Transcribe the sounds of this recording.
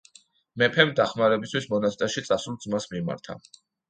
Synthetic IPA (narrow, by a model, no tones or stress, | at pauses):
mɛpʰɛmd̪aχmaɾɛbist̪ʰwismɔnast̪ʼɛɾʃit̪sʼasulˠd̪zmasmima̰ɾt̪ʰa̰